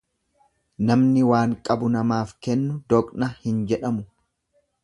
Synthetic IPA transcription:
nɐmnɪwaːŋkʼɐbʊnɐmaːfkɛnːʊd̪ɔkʼnɐhɪnd͡ʒɛᶑɐmʊ

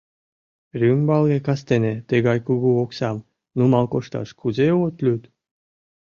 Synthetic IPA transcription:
rʲymbɑlˠɣekɑst̪enet̪eɣɑjkuɣuoksɑm | numɑlkoʃt̪ɑ̰ʃkʰuzeot̪lʲyt̪

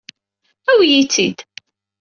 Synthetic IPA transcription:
æwjit͡sːid̪

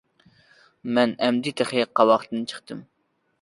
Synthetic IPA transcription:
mɛnɛmd̪ɪt̪ʰæχiqʰːɑwɑχt̪ɨnt͡ʃʰə̥χt̪ɨm

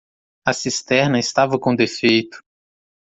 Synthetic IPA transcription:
ɐsist̪ɛɾnɐɪst̪avɐkõd̪efejt̪ʊ̥

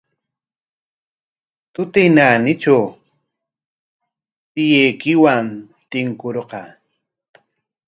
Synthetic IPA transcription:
t̪ʊt̪ɪjnanɪt͡ʃaw | t̪ɪjejkɪwan | t̪ɪŋkʊɾqɑ

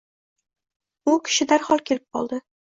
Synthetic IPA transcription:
ʊkʲʰɪ̥ʃɪd̪aɾχɒlˠkʲʰe̞lɪp̚qʰɒ̰lˠd̪ɪ

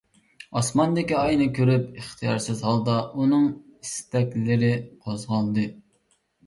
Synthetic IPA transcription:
ɑsmɑnd̪ɪkʲiɑjnɨkʲʰøɾypɨχt̪ʰijɑ̰ɾsɪzɦɑlˠd̪ɑunɨŋist̪ɛkʲlɪɾɪqʰozʁɑlˠd̪ɨ

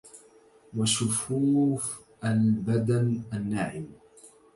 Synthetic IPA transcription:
waʃʊfuːf | ʔalbad̪anʔanːaːʕɪm

